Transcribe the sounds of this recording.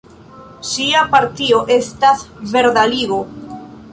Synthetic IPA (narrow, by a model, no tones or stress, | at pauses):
siapaɾt̪ioʔe̞stasve̞ɾd̪aliɣo